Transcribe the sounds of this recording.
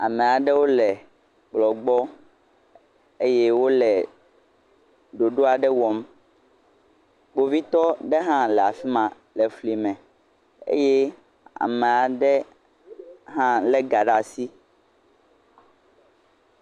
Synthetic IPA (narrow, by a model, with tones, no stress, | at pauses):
a̰˨mɛ̃˨a˨ɖɛ˦wo˦lɛ˨ | k͡plɔ˨ɡ͡bɔ˦ | e˦jɛ˦wo˦lɛ˨ | ɖo˨ɖo˦a˨ɖɛ˦wɔ˨m | k͡po˨vi˦t̪ɔ˦ɖɛ˦ɦã˦lɛ˨a˨fi˦mã˨ | lɛ˨fli˨mɛ̃˨ | ḛ˦jɛ˦ | a̰˨mɛ̃˨a˨ɖɛ˦ | ɦã˦lɛ˦ɡa˨ɖa˨si˦